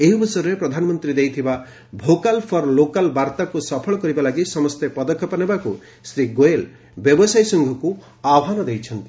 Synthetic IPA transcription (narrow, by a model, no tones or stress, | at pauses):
eɦibʱɔsɔjɾɔɾepɾɔd̪ʱanɔmɔnt̪ɾid̪ejt̪ʰiba | bʱokalpʰɔɾlokalbaɾt̪akusɔpʰɔɭɔkɔɾibalaɡisɔmɔst̪epɔd̪ɔkʰːɔpanebaku | sɾiɡoel | bjɔbɔsajsɔŋɡʱɔku | aɦanɔd̪ejt͡ʃʰɔnt̪i̥